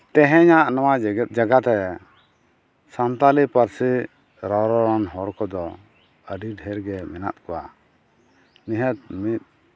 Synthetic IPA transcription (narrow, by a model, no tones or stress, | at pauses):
t̪ɛ̃ɦɛ̃ɲaʔnawaɡt̪̚d͡ʒaɡat̪ɛ | samt̪alipəɾsi | ɾɔɾɔɾɔnɦɔɾkɔd̪ɔ | əɖiɖɦɛɾɡɛmɛna̰t̪̚kɔwa̰ | niɦət̪̚mit̪̚